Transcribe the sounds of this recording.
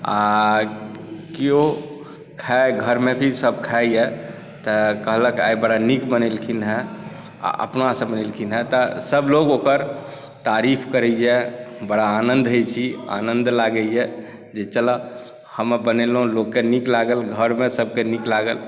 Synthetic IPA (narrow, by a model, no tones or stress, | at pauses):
a̰ | kio | kʰaɡʱəɾmebʱisəb̚ʱkʰajɛ | t̪əkəɦləkajbəɽanikbənelkʰinɦɛ | a̰ʔə̰pnasə̃bənelkʰinɦɛt̪ɔsəbloɡokəɾ | t̪aɾipʰkəɾɛɛbəɽaːnənd̪ʱɦəjt͡ʃʰia̰nə̃nd̪laɡɛjɛ | d͡ʒet͡ʃələ | həmbənelɦũlokːeniklaɡəlɡʱəɾmesəb̚ʱkeniklaɡəl